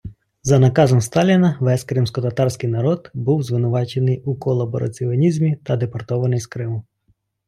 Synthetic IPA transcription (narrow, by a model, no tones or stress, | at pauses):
zɐnɐkɑzɔmst̪ɑlʲinɐʋɛskɾɪmsʲkɔt̪ɐt̪ɑrsʲkɪjnɐɾɔd̪buwzʋɪnʊʋɑt͡ʃe̞nɪjukɔlˠɐbɔɾɐ̰t͡sʲiɔnʲizʲmʲit̪ɐd̪epɐrt̪ɔʋɐnɪjskɾɪmʊ